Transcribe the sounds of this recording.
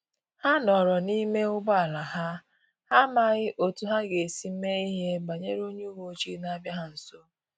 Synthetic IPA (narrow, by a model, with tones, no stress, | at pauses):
ha˦nɔ˨ɾɔ˨ni˦me˦ʊ˦ba˦a˨la˨ɦa˦ | ha˦ma˦˨ɣɪ˦ʔo˨tu˨ɦa˦ɡe˨si˨m̩˦me˦i˦ɦe˦ba˨ɲe˦ɾo˦ɲe˦wo˨˦t͡ʃi˦na˦bja˦ɦa˦n̩˨so˦